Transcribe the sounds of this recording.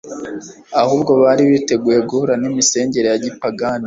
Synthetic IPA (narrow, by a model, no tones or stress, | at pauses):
ahuːb̚ɡo̞βaːɾiβite̞ɡuːje̞ɡuhuɾanimise̞ːɲɟe̞ɾejaɟipaɡani